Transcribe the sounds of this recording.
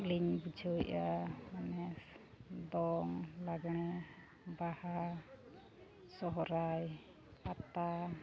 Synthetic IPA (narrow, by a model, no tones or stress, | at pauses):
liɲbud͡ʒʰʱɔʔamanɛs | d̪ɔŋlaɡɔɽ̃ɛ | baha | sɔɦɔɾaj | kat̪a